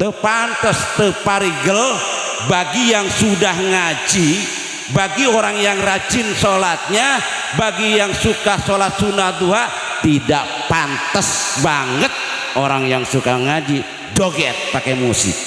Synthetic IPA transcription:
t̪əpant̪əst̪əpaɾiɡəl | baɡijaŋsudahŋad͡ʒi | baɡioɾaŋjaŋrad͡ʒɪnsolat̪̚ɲa | baɡijaŋsukahsolat̪̚sunaht̪uɦa | t̪idaʔ | pant̪əsbaŋət̪̚ | oɾaŋjaŋsukaŋad͡ʒi | doɡɛt̪̚pakɛmusɪ̰k̚

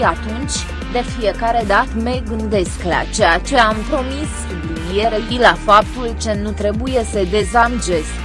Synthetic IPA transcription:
at̪unt͡ʃʲ | d̪e̞fije̞kaɾe̞d̪at̪me̞ɡɨnd̪e̞skla̰t͡ʃejat͡ʃe̞ampɾo̞mis | jeɾejilafapt̪ult͡ʃenut̪ɾe̞bujesəd̪e̞zamd͡ʒe̞sk

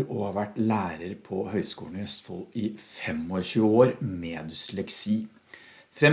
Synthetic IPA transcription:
oɑʋæʈːlæːɾəɾpʰɔhœʏskuːɳɔœst̪fɔ̰lɪfɛmɔɕʉːoːɾmeːd̪ʏslɛksiː | fɾɛ

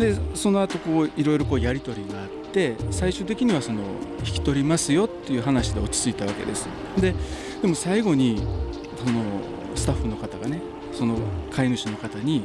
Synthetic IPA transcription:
d̪e̞so̞no̞at̪o̞ko̞ːiɾo̞jiɾo̞ko̞ːjaɾʲit̪o̞ɾʲiɡaːt̪ːe̞saiɕɨːt̪̬e̞kʲiɲ̟iβ̞aso̞no̞̰çi̥kʲi̥t̪o̞ɾʲimasɨjo̞t̪ːe̞jɯ̟ːɦanaɕid̪eo̞t͡ɕi̥t͡sɨit̪aβ̞ake̞̰d̪e̞sɨ̥ | d̪e̞ | d̪̥e̞mo̞saiɡo̞ɲ̟i | sono̞ | sɨ̥t̪aɸːɯ̟no̞kat̪aɡane̞ | so̞no̞kʰainɯ̟ɕino̞kat̪aɲ̟i

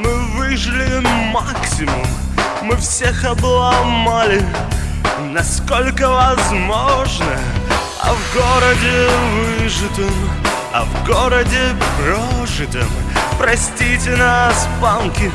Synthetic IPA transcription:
mɨvɨʐɨlʲɪmaksʲɪmʊmː | ɨfsʲexɐblˠamalʲɪ | nɐskolʲkəvɐzmoʐnə | ɐ̰vɡoɾədʲɪvɨʐɨt̪əm | ɐ̰vɡoɾədʲɪpɾoʐɨt̪əmpɾɐsʲtʲitʲɪnaspamkʲɪ

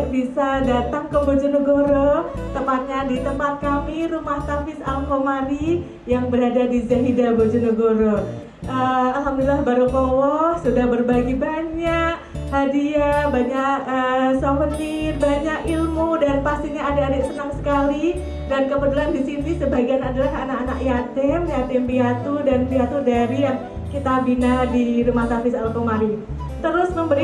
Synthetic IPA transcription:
bisadat̪aŋkəbod͡ʒunəɡoɾot̪əmpat̪̚ɲadit̪əmpat̪̚kamiɾumaht̪afɪsamɦomani | jaŋbəɾadadizaɦidabod͡ʒunəɡoɾo | ʔəalɦamduilahbaɾupɔwɔsudahbərbaɡibaɲaʔ | hadiabaɲaʔəsafənirbaɲakilmudanpast̪iɲaːdaːdasənaŋsə̥kali | dankəbət̪ulandisinisəbaɡianadalahanakanaʔjat̪ɛmjat̪ɛmpiat̪udanpiat̪udaɾijaŋ | kit̪abinadiɾumat̪apisalkomaɾɪn | t̪əɾʊsməmbəɾi

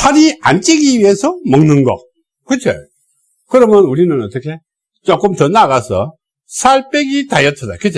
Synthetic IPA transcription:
pʰaɾiant͡ɕ͈iɡiɥiɦe̞sʰʌmʌŋnɯnɡʌ̰ | k͈ɯt͡ɕʰo̰ | kɯɾʌmjʌnuɾinɯnʌt͈ʌkʰe̞ | t͡ɕ͈ok͈ɯmt͡ɕʌnːaɣasʰʌ | sʰaɭp͈eɡitajʌtʰʌdakɯt͡ɕʰe

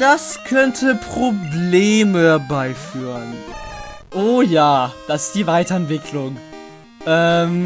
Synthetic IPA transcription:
d̥askʰœntʰəpʁ̥obleːməbaɪfyːʁən | ʔoːjaːd̥asɪ̥std̥iːvaɪtɐɛntv̥ɪkʰlʊŋ | ʔɛːm

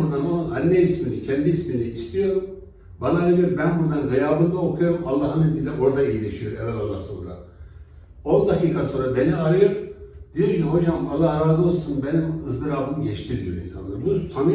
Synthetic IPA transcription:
uɾd̪anolɯnanːɛisminicʰɛnd̪iisminiist̪ʰijo̞ɾum | banaølʲijoɾbænbuɾd̪anɡajaːbɯnd̪aokʰujo̞ɾumalˠːaːɦɯnizd̪ʲild̪ʲɛʔo̞ɾad̪aejilʲɛʃijo̞ɾɛ̰vɛlalˠːa̰hso̰nɾa̰ | o̞nd̪akʰiːkʰaso̞ːnɾabe̞niaɾajɯpd̪̥ijoɾcʰiɦo̞d͡ʒamalˠːahɾaːzɯolˠsunbenimɯzd̪ɯɾaːbɯmɟɛt͡ʃt̪ʰiɾd̪ijoɾḭnsa̰nˠaɾbusanɯ

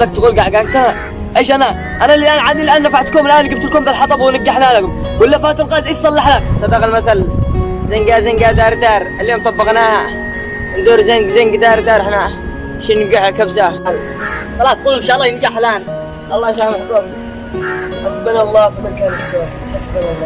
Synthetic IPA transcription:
d̪akt̪ɡuːlɡaʕɡakt̪ana | ʔeːʃʔana | ʔanalɪʔaːnʕanilʔaːnːafaħt̪koːmlʔaːnɡɪb̚t̪lkoːmd̪alħɑt̪ˤɑbwɪnɪb̚ɡaħnaːlakʊm | wɪlːafaːt̪ɪlqɑːʔɪd̪ʔɪʃsˤɑlːɑħlak̚sˤɑd̪ɑqɑlmaθalzɪŋɡazɪŋɡad̪aːɾˤd̪aːɾaljoːmt̪ˤɑbːɑqnaːha | ɪnd̪uːɾzaŋɡzaŋɡd̪aːɾˤd̪aːɾɪħna | ʃinːɪbɡaħalkabsaa | xɑlɑːsˤquːlmɪnʃaːʔlːɑjɪnɡaħlaːn | ɑlˤːɑːsaːmħkoːm | ħasbalalːɑːfbɪlkalsa | ħasbalalːɑ

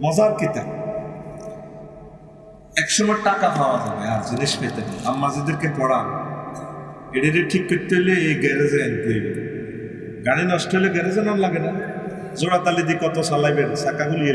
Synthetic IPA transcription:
mɔzaɾkit̪a̰ | ɛkʃɔmɔeʈakapʰaoazabeaziniʃfejt̪ena̰amːazid̪eɾkepɔɽa | eɽiɾeʈʰikːit̪ːeɦleejɡɛɾezenkojben | ɡaɽ̃inɔʃʈɔɦjleɡɛɾezananlaɡena | zoɽat̪alid̪ikɔt̪osalajbensakaɡulie

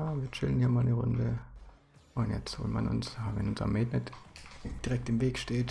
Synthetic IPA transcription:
aːviːɐt͡ʃɪlənhiːɐmaːlnəʁʊ̰ndə | ʔʊntjɛ̰t͡stz̥o̰ːltma̰nʔʊ̰nsaːvɛ̰nʊnza̰mːeːtnɛtd̥iʁɛk̚tɪmveːkʃteːt

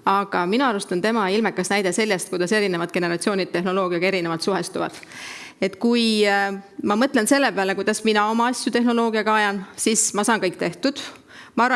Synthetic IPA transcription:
ɑɡ̥ɑminuɑɾust̪ɑnt̪e̞mɑilmekːˑɑsnæjd̪̥e̞se̞lʲjest̪kujd̪̥ɑse̞ɾine̞vɑd̪̚ke̞ne̞ɾɑt̪sio̞ːnid̥̪et̪e̞ɦno̞lo̞ːɡ̥iɑɡe̞ɾinevɑt̪suɦe̞st̪uvɑ̰d̪̥e̞t̪ːˑkuj | mɑmɤt̪ˑle̞nse̞lːe̞peɑle̞kujd̪ɑsminɑo̞mɑɑsʲːjut̪e̞ɦno̞lo̞ːɡ̥iɑɡ̥ɑɑjɑnsismɑsɑːnkɤjkːˑt̪e̞ht̪ud̪̥ | mɑɑrɑ

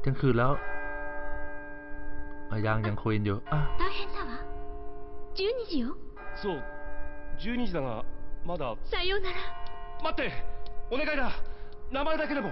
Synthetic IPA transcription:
ɲaŋkʰɯːlɛːw | ʔajaːŋɲaŋkʰoenjoat̪aɦẽnsaβa | d͡ʑɨːɲ̟iʑijo | soː | d͡ʑɨːɲid͡ʑid̪aŋa̰mad̪asaijoːnaɾamat̪ːe̞one̞ɡaid̪anamaɾed̪ak̬e̞d̪emo̞

